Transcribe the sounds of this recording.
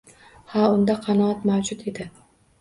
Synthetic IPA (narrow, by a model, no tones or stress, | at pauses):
haʊnd̪aqʰɑnɒɒt̪mawd͡ʒʊt̪e̞d̪ɪ